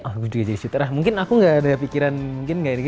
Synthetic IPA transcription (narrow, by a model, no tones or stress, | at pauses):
ɔhɡud͡ʒuɡad͡ʒadisut̪əɾahmuŋkɪnakuŋɡaʔːdapikiɾanmuŋkɪnɡaʔɡ